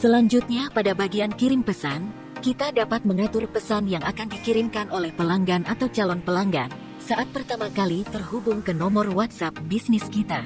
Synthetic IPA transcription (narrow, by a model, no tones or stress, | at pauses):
səlaɲd͡ʒut̪̚ɲapadabaɡiankiɾɪmpəsan | kit̪adapat̪̚məŋat̪ʊrpəsanjaŋʔakandikiɾɪmkanʔolɛhpəlaŋɡanat̪awt͡ʃalɔnpəlaŋɡa̰n | saʔat̪̚pərt̪amakalit̪ərhubʊŋkənɔmɔrwat̪̚sap̚bisnɪskit̪a